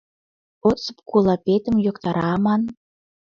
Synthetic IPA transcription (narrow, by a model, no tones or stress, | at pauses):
ot͡sɤ̥̆pkulˠɑpʲet̪ə̆mjokt̪ɑɾɑmɑn